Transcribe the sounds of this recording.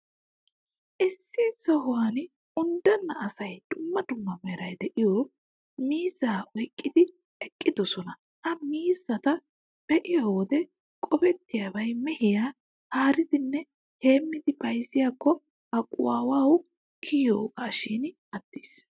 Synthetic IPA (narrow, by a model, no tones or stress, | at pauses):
ʔɪsːisɔɦʊwan | ʊnd̪ɐnːɐʔɐsɐjd̪̥ʊmːɐd̪ʊmːɐmɛɾɐjd̪ɛʔɪjoː | miːzaːʔɔjkʼːɪd̪ɪ | ɛkʼːɪd̪ɔsɔnɐ | ɐmiːzːɐt̪ɐ | b̥ɛʔɪjawɔd̪ɛ | kʼɔbɛt̪ːɪjaːbɐjmɛhɪjaː | haːɾɪd̪ɪnːɛ | he̞ːmːɪd̪ɪbɐjzɪjaːkːɔ | ɐkʼːʊ̰waːwaːw | kʰiːjoːkaːʃiːn | ɐd̪ːiːs